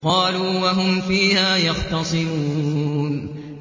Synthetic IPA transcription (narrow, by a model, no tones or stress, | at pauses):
qɑːluːwaɦʊmfiːhaːjɑɣt̪ɑsˤɨɾuːn